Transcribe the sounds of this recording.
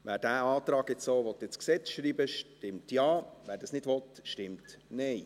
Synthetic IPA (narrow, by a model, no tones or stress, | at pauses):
ʋæːɾd̥æːɑːt̪ɾɑːɡɛt͡ssoːʋɔt̪ːjet͡sksɛt͡sʃɾiːbəʃtɪmtjɑːvæːɾdɑsnɪdvɔt̪ʃtɪmtnɛɪ